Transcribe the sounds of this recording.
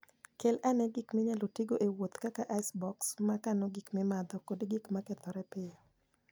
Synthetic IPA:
kɛlanɛɡikmeɲalotiɡoʔewot̪kakaʔasbɔksmakanoɡikmɪmad̪ɔkodɡikmakɛt̪ɔɾɛpɪjɔ

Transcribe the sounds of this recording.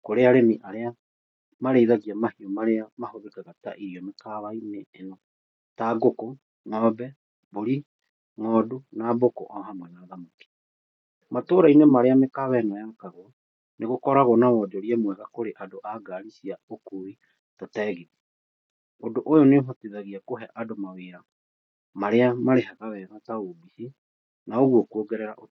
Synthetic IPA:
koɾeaɾemiʔaɾea | maɾeiðaɣiamahiɔmaɾeamahoðekaɣata̰ʔiɾiɔmekaβaineːnɔ | taɡoko | ŋɔːbɛ | boɾi | ŋɔːdunabokɔ̰ʔɔɦamwɛnaːðamake̥ | matoːɾainemaɾeamekaβɛnajakaɣwɔ | neɣokɔɾaɣɔnawɔːd͡ʒɔɾiɛmwɛɣakoɾeʔadoʔaɡaːɾisiaokuːi | tatɛːɣeɣi | odoʔojoneoɦɔteðaɣiakoɦɛʔadomaweːɾa | maɾeamaɾeɦaɣawɛɣataobisi | naoɣwɔkuoɡɛɾɛɾa̰ʔo

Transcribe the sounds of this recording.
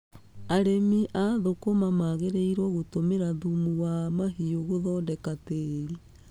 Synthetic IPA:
aɾemiʔaðokomamaɣeɾeiɾwɔɣotomeɾaðumuwamaɦioɣoðɔndɛkateɾi

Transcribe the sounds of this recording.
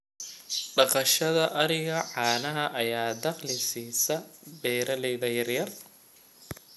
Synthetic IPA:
ɖɑqɑʃɐðɐʔɐɾɪɣɐʕɑːnɐɦɐʔɐjaːd̪ɑqlɪsiːsɐbɛːɾɐlɛjðɐjɐrjɐr

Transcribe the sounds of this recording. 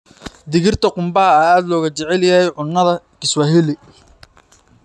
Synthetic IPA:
d̪ɪɣɪrt̪ʰɐqʊmbɐɦɐaaːd̪lɔːɣɐt͡ʃɛʕɛljɐɛjʕʊnːɐðɐkɪswɐɦɪlɪ

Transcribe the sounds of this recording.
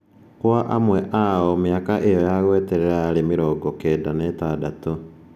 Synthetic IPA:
kwaʔamweʔaomjakaʔejojaɣweːteɾeɾaɾimiɾɔːɡokeːdanetadatu

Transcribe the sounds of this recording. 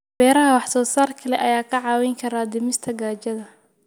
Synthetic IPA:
b̥ɛːɾɐɦɐwɑħsɔːsaːrkʰɐlɛʔɐjaːkʰɐʕɑːwɛjŋkʰɐɾaːd̪ɪmɪst̪ʰɐɡaːt͡ʃɐðɐ

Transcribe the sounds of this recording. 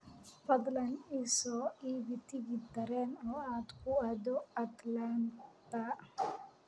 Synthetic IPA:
fɐd̪lɐnisɔːiːβɪt̪ʰɪɣɪd̪ɐɾɛːnɔːaːd̪kʰʊad̪ɔɐt̪lant̪ɐ

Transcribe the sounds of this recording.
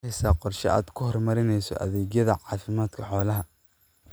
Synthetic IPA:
ɛjsaːqɔrʃɐ̰a̰ːd̪kʰʊhɔrmɐɾɪnɛjsɔ̰ʔɐ̰ðɛːɣjɐðɐʕɑːfɪmaːd̪kʰɐħɔːlɐɦɐ

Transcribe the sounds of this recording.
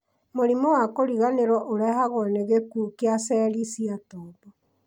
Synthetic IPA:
moɾimɔwakoɾiɣaneɾɔʔoɾɛhaɣɔneɣekukeasɛːɾisiatɔːbɔ

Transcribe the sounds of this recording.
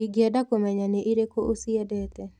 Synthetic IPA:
iɡjɛdakomɛɲanɛʔiɾekoʔosiɛdɛt̪ɛ

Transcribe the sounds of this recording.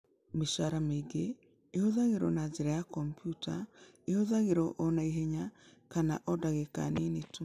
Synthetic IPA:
miʃaɾameɡeː | hɔðaɣeɾɔnazeɾajakɔmpjuta | ehɔðaɣeɾɔʔɔnaiɦɛɲakana̰ʔɔdaɣeka̰ninetu

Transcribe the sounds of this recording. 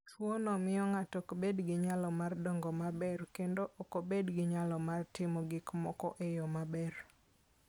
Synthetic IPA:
t͡ʃwonɔmɪjɔŋatɔkbedɡɪɲalɔmardɔŋɡɔmabɛrkendoʔokobedɡɪɲalɔmartɪmɔɡɪkmɔkɔ̰ʔejɔmabɛr

